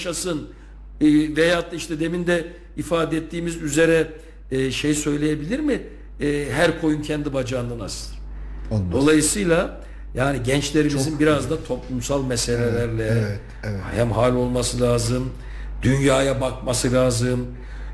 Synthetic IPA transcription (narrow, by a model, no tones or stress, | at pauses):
ʃasɯnː | vɛjaːt̪ːaiʃt̪ʰɛd̪e̞mind̪ɛ | ifaːd̪ɛɛt̪ʰːiːmizyze̞ɾɛ | ʃe̞jsø̞jlʲejebilʲiɾmɪː | ɦæɾkʰo̞juncʰɛnd̪ibad͡ʒand̪anasɯɾd̪o̞lˠajɯsɯjlˠa | jaːniɟɛnt͡ʃlʲe̞ɾimizinbiɾazd̪at̪ʰo̞plˠumsalˠmɛse̞lʲelʲæɾlʲɛ | hæmɦaːlʲo̞lˠmasɯlʲaːzɯm | d̪ynjaːjabak̚masɯlʲaːzɯm